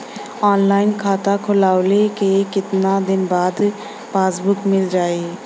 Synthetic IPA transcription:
ɔːnlaːɪnkʰaːt̪akʰʊlaːʊlekekɪt̪nad̪ɪnbaːd̪ | paːsbʊkmɪld͡ʒaːe

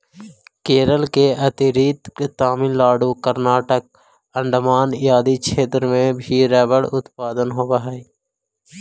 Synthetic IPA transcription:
keːɾəlkeɐt̪iɾiːt̪ket̪aːmɪnlaːɖukəɾnaːʈək̚ | ə̃ɳɖmaːnjaːd̪ikʰʃʰeːt̪ɾmẽbʱiɾɛːʋəɽʊt̪paːd̪ənɦoːʋəɦae

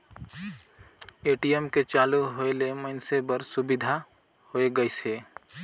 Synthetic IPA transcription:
eːʈiemket͡ʃaːluɦoeleməɪnsebəɾsʊbɪd̪ʱa | hoeɡəiseː

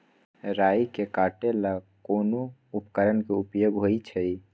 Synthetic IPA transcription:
ɾajkekaʈela | konoupkəɾənkeupjoɡɦoit͡ʃʰəj

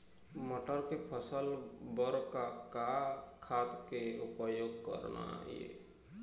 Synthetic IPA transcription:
məʈəɾkepʰəsəlbəɾkakakʰat̪keupəjoɡkə̰ɾna̰ḭḛ

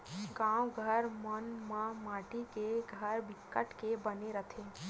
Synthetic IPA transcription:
ɡãwɡʱəɾmənmãmaːʈikeɡʱəɾbɪkːəʈkebəneɾət̪ʰe

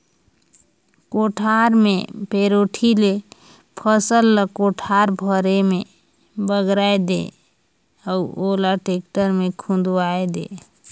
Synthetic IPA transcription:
koʈʰaɾmḛpeɾoʈʰile | pʰəsəlːəkoʈʰaɾbʱəɾeme | bəɡɾaed̪ḛ | əuʔolaʈek̚ʈəɾmekʰũd̪uaed̪ḛ

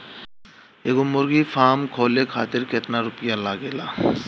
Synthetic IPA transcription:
eːɡomʊɾɡifʰaːmkʰoːlekʰaːt̪ɪɾket̪naɾʊpjalaːɡeːlaː

